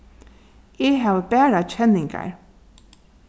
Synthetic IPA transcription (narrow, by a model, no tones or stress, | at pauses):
eɦæːʋəbæːɹat͡ʃɛnɪŋɡa̰ɹ